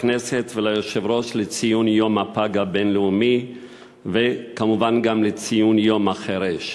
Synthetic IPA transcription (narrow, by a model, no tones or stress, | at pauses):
nesetvelajoʃevʁo̞ʃlet͡sijunjo̞mhapaɡabe̞nleumi | vekamuvanɡamlet͡sijunjo̞maχeɾeʃ